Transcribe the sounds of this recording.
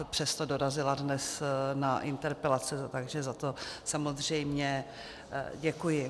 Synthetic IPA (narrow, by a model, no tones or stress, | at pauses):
pr̥ɛst̪odo̞ɾazɪladnɛsnaʔɪnt̪ɛɾpɛlat͡sɪt̪aɡʒɛzat̪o̞samozr̝ɛjmɲɛ | ɟɛkujɪ